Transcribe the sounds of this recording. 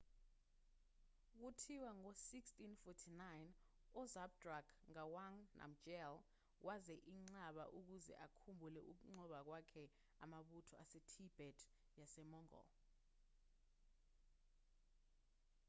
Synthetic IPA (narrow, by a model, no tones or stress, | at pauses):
k̬utʰiwaŋosikstinfɔtʰinajn | ɔzab̚drakʰŋawaŋnʔa̰m̩d͡ʒɛl | wʔazɛʔiŋ͡ǀaɓa̰ʔuk̬uzɛ̰ʔakʰumbʱulɛʔuk̬uŋ͡ǀɔɓak̬wakʰɛ | amaɓutʰɔasɛtʰib̥ʱɛtʰ | jasɛmɔŋɔ̰